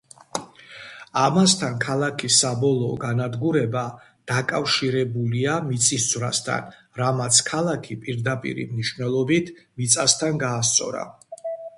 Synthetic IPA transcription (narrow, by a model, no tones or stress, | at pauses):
amast̪ʰankʰalˠakʰisːabɔlˠɔːɡanad̪ɡuɾɛba | d̪̥akʼafʃiɾɛbuliamit̪sʼisd̪z̥ʼvɾa̰st̪ʰa̰n | ɾamat̪sʰkʰalˠakʰipʼiɾd̪apʼḭɾḭmniʃwnɛlˠɔbit̪ʰmit̪sʼast̪ʰanɡaːst̪sʼɔ̰ɾa̰